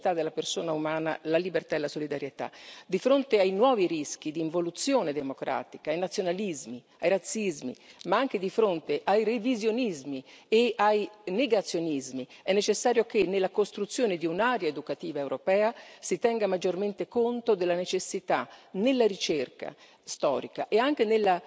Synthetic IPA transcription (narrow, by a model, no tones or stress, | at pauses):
t̪ad̪ːelːapersoːnaumaːna̰lalibert̪aelasolid̪aɾjet̪a̰d̪ifɾont̪eajnwɔːviɾisk̟id̪iːɱvolut̪sːjoːned̪emokɾʔa̰ːt̪ikaːjnat̪sjonalizmi | ajɾat̪sːizmḭmaaŋk̟ed̪ifɾont̪eʔajrevizjonizmieajneɡat̪sːjonizmiɛnːet͡ʃesːaːɾjokenːelːakost̪ɾut̪sːjoːned̪iunaɾjaed̪ukat̪iːvaewɾopɛːasit̪ɛŋɡamad͡ʒːorment̪ekont̪od̪elːanet͡ʃesːit̪anelːaɾit͡ʃerka̰ | st̪ɔ̰ːɾika̰ʔeaŋk̟enelːa